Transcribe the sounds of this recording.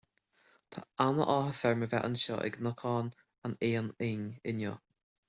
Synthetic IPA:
t̪ʰa̰anəʔɔhəsɛɹməvɛʔənʃɔ̰ʔɛ̰ɡnəkʰɔːn | aneːənɪɲɪnjɔ̰ː

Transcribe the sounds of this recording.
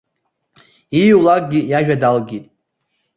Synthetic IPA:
ijwlak̚ʼɡʲijaʒᶣadalɡʲitʼ

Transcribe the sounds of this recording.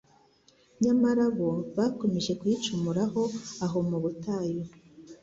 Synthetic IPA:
ɲamaɾaβoβako̞me̞ʒe̞kwit͡ʃumuɾaɦo̞aɦo̞muβutaːjo

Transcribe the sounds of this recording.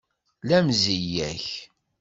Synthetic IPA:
læmzijæç

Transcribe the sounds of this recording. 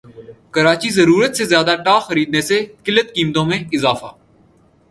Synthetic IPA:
kəɾaːt͡ʃizɐɾuːɾət̪sezjaːd̪aʈaːxəɾiːd̪nesekɪlət̪kiːmt̪õmẽɪzaːfa̰ː

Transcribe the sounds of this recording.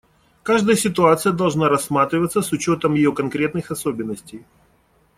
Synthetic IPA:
kaʐd̪əjəsʲɪt̪ʊat̪sɨjəd̪ɐlˠʐnaɾɐsːmat̪ɾʲɪvət̪səsʊt͡ɕo̞t̪əmjɪjo̞kɐnkɾʲe̞t̪̚nɨxɐsobʲɪnːəsʲtʲɪj

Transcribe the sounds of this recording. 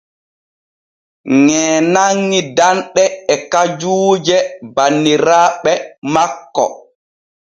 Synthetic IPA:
ŋɛːnaŋːidanɗɛɛkad͡ʒuːd͡ʒɛbanːiɾaːɓɛmakːɔ̰

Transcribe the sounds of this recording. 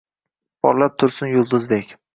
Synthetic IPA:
pʰɒ̰ɾlap̚t̪ʰʊɾsɪnjʊlˠd̪ʊzd̪ekʲ

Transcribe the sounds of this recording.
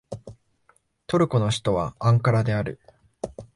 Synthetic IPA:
t̪o̞ɾɯ̟ko̞no̞ɕi̥t̪o̞βaãŋkaɾad̪e̞aɾɯ̟

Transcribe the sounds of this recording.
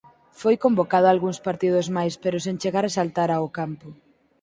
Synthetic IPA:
fojkombokað̞oalɣuŋspaɾt̪ið̞ozmajspeɾosent͡ʃeɣaɾesalt̪aɾaokampo

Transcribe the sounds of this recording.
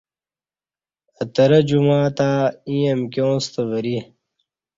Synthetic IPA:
ət̪ɐɾɐd͡ʑumaːt̪aːĩjɐmkʲjõːst̪ɐvɐɾi

